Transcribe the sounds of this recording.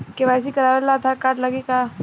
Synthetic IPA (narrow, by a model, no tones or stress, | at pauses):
keʋajs̬ikɐɾaːʋelat̪ʰakaːʈlɐɡika